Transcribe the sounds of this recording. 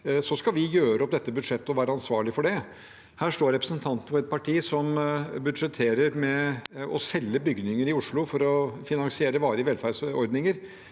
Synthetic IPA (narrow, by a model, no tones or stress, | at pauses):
sɔskɑʋɪjøːɾəɔp̚d̪ɛt̪ːəbʉd̪ʂɛt̪ːəɔʋæːɾəɑnsʋɑːɭɪfɔɖɛ | hæːʂʈoːɾɛpɾəsənt̪ʰɑnt̪ən̩fɔɾɛt̪̚pʰɑʈʰiːsɔmbʉd̪ʂɛt̪ʰeːɾəɾmɛɔsɛlːəbʏɡnɪŋəɾɪʊʂɭʊfɔɾɔfɪnɑŋsɪeːɾəʋɑːɾəʋɛlfæɖsɔɾd̪nɪŋəɾ